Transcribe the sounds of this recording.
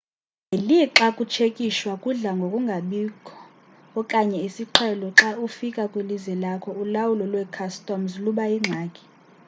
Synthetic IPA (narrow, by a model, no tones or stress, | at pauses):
eliǁakʼut͡ʃʰekʼiʃwakʼuɮaŋɡʱokʼuŋɡʱaɓikʰɔ̥ | ɔkʼaɲɛisiǁʰɛlɔǁaufikʼakʼwelizwɛlakʰɔulawulɔlwɛkʰastʼɔmzluɓaiŋ͡ǁʱaːkʼi̥